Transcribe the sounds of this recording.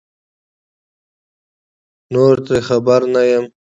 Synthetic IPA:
noɾt̪ɾexabaɾnajəm

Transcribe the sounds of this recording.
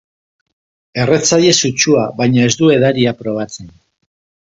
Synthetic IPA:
e̞ret͡saʎe̞sut͡ʃuaβajɲae̞zd̪ue̞ðaɾiapɾo̞β̞at͡se̞n

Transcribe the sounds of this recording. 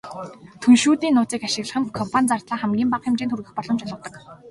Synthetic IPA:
t̪ʰunʃuːt̪iːnːʊːt͡siːkaʃɪ̆ɣɮə̆χɘ̆nkʰɔmpʰanʲt͡sart̪ɮaːχæmɡʲiːmpaqxɪmt͡ɕeːnt̪ʰurɣɘ̆xpɔɮɞ̆mt͡ɕaɮə̆wt̪ɞ̆k

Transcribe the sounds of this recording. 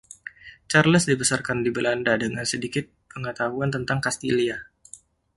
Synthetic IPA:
t͡ʃarləsdibəsarkandibəlandadəŋansədikɪt̪̚pəŋət̪aɦuant̪ənt̪aŋkast̪ilia

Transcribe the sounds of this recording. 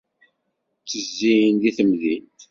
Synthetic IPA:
t͡sːəzːijnðiθəmðint̪

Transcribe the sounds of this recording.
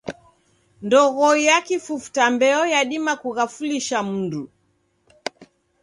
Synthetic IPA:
ndɔɣɔjakifufu̥tambɛɔjaɗimakuɣafuliʃam̩ndu

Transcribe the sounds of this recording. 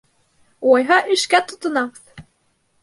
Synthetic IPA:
wɑjɦɑʔɘ̆ʃkæt̪ŏt̪ɤ̆nɑʁθ

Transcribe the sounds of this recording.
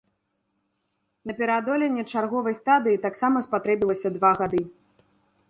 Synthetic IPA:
nɐpʲɛɾad̪ɔlʲɛnʲːɛt͡ʂarɣɔvɐjst̪ad̪ɨjit̪aksamɐspat̪ɾɛbʲilˠɐsʲɐd̪vaɣad̪ɨ

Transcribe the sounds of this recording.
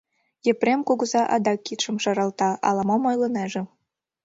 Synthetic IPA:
jĕprʲemkoɣɤ̆zɑʔɑd̪ɑkːit̪ʃɤ̆mʃɑɾɑlt̪ɑɑ̰lˠɑmomojlˠɤ̆nɑʒĕ

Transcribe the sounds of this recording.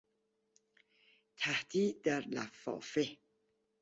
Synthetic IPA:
t̪ʰæhd̪iːd̪æɾlæ̰fːɒ̰ːfe

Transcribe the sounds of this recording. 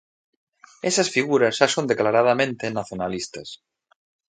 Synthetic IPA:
esasfiɣuɾazʒasond̪eklaɾað̞amẽnt̪enaθjonalist̪as

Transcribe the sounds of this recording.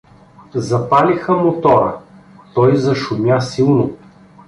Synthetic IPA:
zɐpalixɐmot̪ɔɾə̰ | t̪ɔjzɐʃʊmʲjasilˠnʊ

